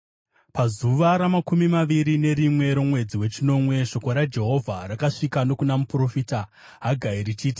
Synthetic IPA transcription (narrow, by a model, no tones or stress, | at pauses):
pazuʋaɾamakumimaʋiɾine̞ɾimwe̞ɾo̞mwe̞d͡ziwe̞t͡ʃino̞mwe̞ʂo̞koɾad͡ʒe̞ɦo̞vʱarakaʂikano̞kunamupro̞fiːta | ɦaɡʱaiɾit͡ʃiːti